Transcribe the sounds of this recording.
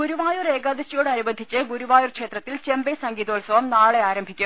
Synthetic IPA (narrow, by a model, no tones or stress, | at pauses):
ɡuɾuʋaːjure̞ːɡaːd̪ɐɕijoːɽɐɾubɐnd̪ʱːit͡ɕːɨɡuɾuʋaːjurkʂeːt̪rɐt̪ːilt͡ɕe̞mbesɐŋɡiːðoːlsɐʋɐmnaːɭeaːɾɐmbʱikʲːum